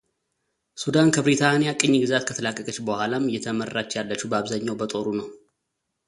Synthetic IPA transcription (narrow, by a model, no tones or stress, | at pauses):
sud̪ankʰəbɾit̪ʰanijakʼɨɲːɡɨzat̪kʰət̪ʰəlakʼːəkʼət͡ʃːbəhʷalamɨjːɛt̪ʰəmərːat͡ʃːjalːət͡ʃːhubəaβzaɲːawbət̪ʼo̞ɾunəw